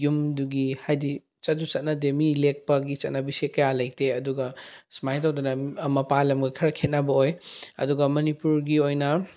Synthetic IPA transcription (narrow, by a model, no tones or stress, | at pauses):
jumduɡihajdi | t͡ʃɐt̚dut͡ʃɐt̚nɐdemilek̚pɐɡit͡ʃɐt̚nɐbisekɐjalɐj̚teɐduɡɐsmajtawdɐnɐmɐpalɐmɡɐkʰɐɾɐkʰet̚nabɐojɐ̰duɡɐmɐnipuɾɡiojnɐ